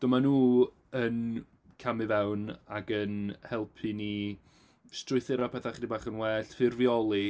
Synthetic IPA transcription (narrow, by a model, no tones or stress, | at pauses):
d̥ʊmanuː | ən | kʰamɨvɛwnaɡənhɛlˠpʰɨni | strʊɨθɪɾapʰɛθaχdibaːχənwɛːɬfɪrvjɔlˠi